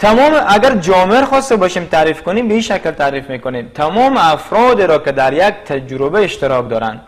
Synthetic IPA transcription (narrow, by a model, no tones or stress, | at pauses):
t̪ʰamɔmeʔaɡaɾd͡ʒɔmeeɾχɔst̪abɔʃimt̪ʰaɾifkonimbeiʃaklt̪ʰaɾifmekonemt̪ʰamɔːmeafɾɔd̪eɾɔked̪aɾjak̚t̪ʰad͡ʒɾobeːʃt̪ɪɾɔk̚d̪ɔɾa̰nd̪